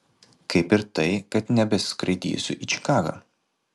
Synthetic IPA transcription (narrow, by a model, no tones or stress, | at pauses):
kɐɪpɪɾt̪ɐɪkɐt̪nʲɛbʲɛsʲskɾɐɪd̪ʲḭːsʲʊʔiːt͡ʃʲɪ̥kɑːɡa̰ː